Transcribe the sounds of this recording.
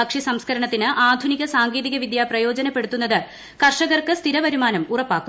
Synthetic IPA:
ɐkʂisɐmskʰɐɾɐɳɐt̪ːinɨʔaːd̪ʱuniɣɐsaːŋɡeːðiɣɐʋid̪japrɐjo̞ːd͡ʑɐnɐpːe̞ɽut̪ːunːɐðɨ | kɐrʂɐɣɐrkɨst̪iɾɐʋɐɾumaːnɐmurɐpːaːkːu

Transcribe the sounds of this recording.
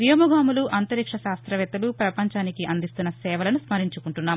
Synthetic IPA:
ʋijɐmɐɡaːmuluʔɐnt̪ɐɾikʂɐʃaːst̪ɾɐʋɛt̪ɐlupɾɐpɐɲt͡ʃaːnikiʔɐnd̪ist̪unːɐsɛːʋɐlɐnusmɐɾiɲt͡ʃukuɳʈunːaː

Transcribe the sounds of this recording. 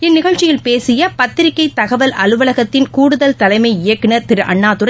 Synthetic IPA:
ɪnːɪɣɐɻt͡ʃːɪjɪlpeːsɪjɐpɐt̪ːɪɾɪkːɐɪt̪ɐɣɐʋɐlʔɐlɯʋɐlɐɣɐt̪ːɪnkuːɽɯðɐlt̪ɐlɐɪmɐɪɪjɐkːɪnɐɾt̪ɪɾɯʔɐ̰ɳːaːt̪ɯɾɐ

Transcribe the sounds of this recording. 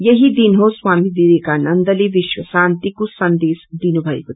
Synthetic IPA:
jɐɦid̪inɦoswaːmid̪id̪ikanɐnd̪ɐliʋɪʃwɐsaːnt̪ikusɐnd̪eːsd̪inubʱɐjkut̪

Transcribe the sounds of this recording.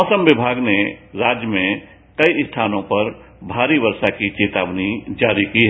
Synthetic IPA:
ɔːsəmʋɪbʱaːɡneɾaːd͡ʒjəmẽ | kɐist̪ʰaːnõpɐɾ | bʱaːɾiʋəɾʃakit͡ʃeːt̪aːbnid͡ʒaːɾikiɦɛ

